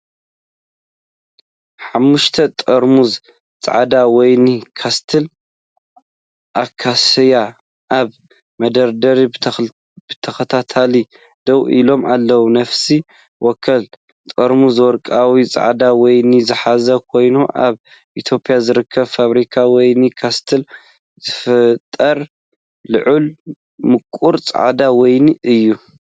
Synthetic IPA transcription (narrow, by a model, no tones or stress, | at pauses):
ħamːuʃt̪ʰɐt̪ʼɐɾmuz | t͡sʼa̰ʕad̪awɔjnikʰast̪ʰɨl | ʔakʰasja | ʔaβ | mɐd̪ɐɾd̪ɐɾi | b̥ɨt̪ʰɐxɐt̪ʰat̪ʰali | d̪̥ɐwilo̞mʔalːɐwunɐfsi | wʔɔkʰːɐl | t̪ʼɐɾmuzɨwɔɾkʼawit͡sʼa̰ʕd̪awɔjnizɨħazɐkʰo̞jnuʔa̰β | ʔit̪ʰjo̞pʼjazɨɾɨkʰːɐβfaβɾikʰawɔjnikʰast̪ʰɨl | zɨfɨt̪ʼːɐɾ | lɨʕul | mɨkʼuɾt͡sʼa̰ʕd̪awɔjniʔɨjːu